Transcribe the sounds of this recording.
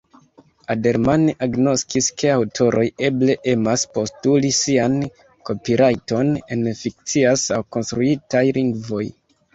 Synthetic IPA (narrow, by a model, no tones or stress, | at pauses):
ade̞ɾmaneʔaɡno̞skiske̞awtʰo̞ɾʔo̞je̞ble̞ʔe̞maspo̞stulisian | ko̞piɾajto̞ne̞nfik̚t͡siasawko̞nstɾuitajliŋɡvo̞j